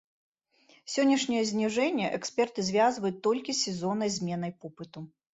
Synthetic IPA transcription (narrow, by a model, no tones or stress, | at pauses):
sʲɔnʲːɐʂnʲɐjɐzʲnʲiʐɛnʲːɐʔɛksʲpʲɛrt̪ɨzʲvʲazvɐjut̪ːɔlʲkʲisʲɛzɔnɐjzʲmʲɛn̪ɐjpɔpɨt̪u